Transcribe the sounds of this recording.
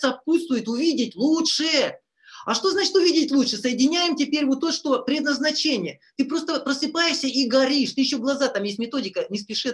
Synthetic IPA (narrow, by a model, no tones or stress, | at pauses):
sɐput̪st̪vʊjɪt̪ʊvʲidʲɪtʲlˠutʂɨ | ɐʂt̪o̞znat͡ɕɪ̥t̪ʊvʲidʲɪtʲlˠutʂɨsəjɪdʲɪnʲæjɪmtʲɪpʲeɾʲvot̪ːoʂt̪o̞pɾʲɪd̪nəznɐt͡ɕenʲɪjət̪ɨpɾo̞st̪əpɾəsɨpajɪʂsʲəiɡɐɾʲiʂt̪ɨjɪɕːoɡlˠɐzat̪amjesʲtʲmʲɪt̪o̞dʲɪkənʲɪspʲɪʂɨ